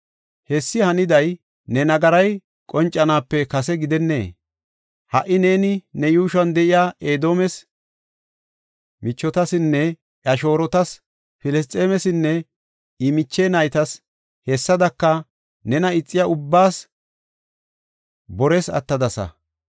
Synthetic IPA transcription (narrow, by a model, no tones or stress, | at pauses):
hɛsːɪhɐnɪd̪ɐj | nɛnɐɡɐɾɐj | kʼɔnt͡ʃʼːɐnaːpːɛkɐsɛɡɪd̪ɛnːe̞̰ː | hɐʔːɪne̞ːnɪnɛjuːʃɐnd̪ɛʔɪjaːʔeːd̪o̞ːmɛs | mɪt͡ʃːɔt̪ɐsɪnːɛ | ʔɐʃo̞ːɾɔt̪ɐs | fɪlɛs̬t̪ʼeːmɛsɪnːɛ | ɪmɪt͡ʃːeːnɐjt̪ɐs | hɛsːɐd̪ɐkːɐ | nɛnɐɪt͡sʼːɪjɐʊbːaːs | bɔɾɛsɐ̰t̪ːɐd̪ɐsɐ̰